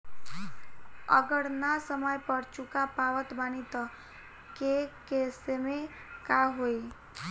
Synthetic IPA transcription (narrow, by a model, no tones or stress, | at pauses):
ə̰ɡəɽnasəməjpəɾt͡ʃukapaʋət̪banit̪ɔ | kekesemẽ | kaɦoi